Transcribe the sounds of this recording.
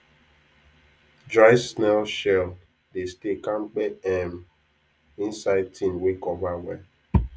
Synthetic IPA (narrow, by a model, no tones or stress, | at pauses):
dɾaɪsnɛlʃɛl | destekaŋ͡m̩k͡peɛm | ĩn̩saɪd̚tʰĩnwekɔbawɛ